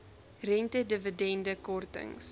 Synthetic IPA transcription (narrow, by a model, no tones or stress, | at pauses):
rɛntədəvədɛndəkɔrtə̰ŋs